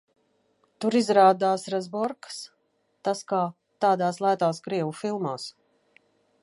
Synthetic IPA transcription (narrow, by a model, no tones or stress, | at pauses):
t̪uɾizɾaːd̪aːsɾɛzbɔɾks | t̪askaː | t̪aːd̪aːslˠajt̪aːskɾiɛvufilˠmaːs